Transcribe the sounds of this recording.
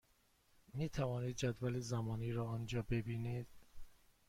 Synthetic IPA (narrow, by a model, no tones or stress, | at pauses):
miːt̪ʰævɒːniːd̪̚d͡ʒæd̪vælezæmɒːniːɾɒːɒːnd͡ʒɒːbe̞biːnid̪̥̚